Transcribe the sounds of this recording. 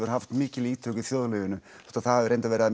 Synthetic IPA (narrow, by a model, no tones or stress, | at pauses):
vʏɾ̥haft̪mɪːcɪliːt̪ʰœːkiθjoːðlœːvɪnʏ | ɛ̥t̪aðθaðavʏɾejnt̪avɛːɾɪa